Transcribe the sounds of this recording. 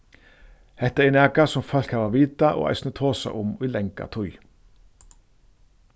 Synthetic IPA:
hɛt̪əɛnæːkasʊmfɑlkhɑʋɑʋiːt̪ɑʔo̰ːʔæ̰ɪsnət̪ʰoːsɑ̰ʔʊmʉːlɛŋkɑ̰t̪ʰʊʏ

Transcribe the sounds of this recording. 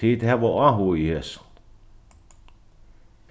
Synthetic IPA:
iːt̪heʋoɑhuihes

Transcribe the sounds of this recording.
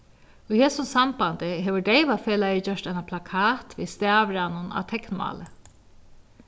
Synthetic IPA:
ʊjheːsʊnsambant̪ɪɦeːʋʏɹɖɛjʋafeːlajɪt͡ɕœʂt̪ajnapʰlakʰaːt̪vḭst̪æːʋɾanʊna̰wt̪ʰɛknma̰ːlɪ

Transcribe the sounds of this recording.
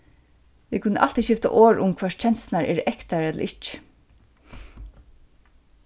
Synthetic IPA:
ʋikʰʊnːəʔa̰l̥t̪iʃɪft̪a̰ʔoːɹʔʊmkʰv̥aːʂt͡ʃʰɛnst̪naɹɛːɹɛkt̪aɹɛt̪lə̰ʔɪht͡ʃ

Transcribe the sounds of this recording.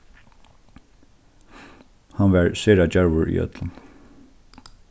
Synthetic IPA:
hanʋæɹseːɹad͡ʒaɹʋʊɹḭːʔœ̰t̪lən

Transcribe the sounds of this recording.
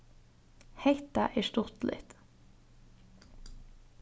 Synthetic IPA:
heɪt̪ɑʔeːʃt̪ʊt̪lʔɪ̰t̪

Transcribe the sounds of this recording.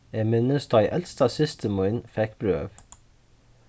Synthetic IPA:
eːmɪnəst̪ɑɪʔɛlst̪ɑːsɪst̪ʰəmɔʏnfɛkb̥ɾø̰ːʋ

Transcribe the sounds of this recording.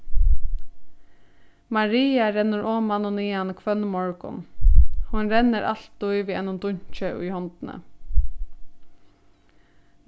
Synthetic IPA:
mɑɾiːɑɾɛnʊɹʔoːmɑnʊniːɑnkʰʋœnmɔɹɡʊ̰nhʊnɾɛnəɾʔɑ̰lt̪ʊiːʋiːɛnʊmd̪ʊɲc͡çəiːhɔnt̪n̩ə̰

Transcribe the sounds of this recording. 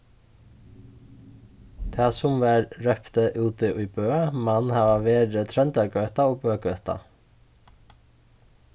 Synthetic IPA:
t̪ʰæːsʊmʋæːɾɹœpt̪əʔʉːt̪ɪʔʉːbøːmɑnhɑːʋɑʋeːd̪ɾət̪ʰɾɛnd̪əɾɡœːt̪ɑoːbøːɡœːt̪ɑ̰

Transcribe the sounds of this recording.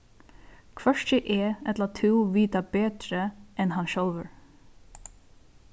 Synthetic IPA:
kʰvœʂcəʔɛɛt̪lat̪ʰʉwʋiːt̪abeːt̪ɾəɛnɦanʃɔlʋəɹ

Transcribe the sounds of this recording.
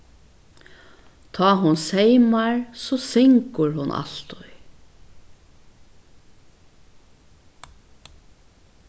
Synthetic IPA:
t̪ʰɑːɦʊnsejmaɹsɔsɪŋkəɹhʊnʔa̰l̥t̪ʊj

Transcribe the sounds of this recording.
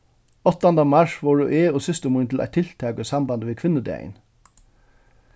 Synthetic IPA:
ɔt̪ɑnd̪ɑmɑʃʋoːɹuːʔeːoːsʏst̪əmuːnt̪ʰl̩æ̰t̪ʰɪlt̪ʰɑːkəsɑmbɑnd̪əʋeːkʰʋɪnəd̪æ̰ɪ̰n

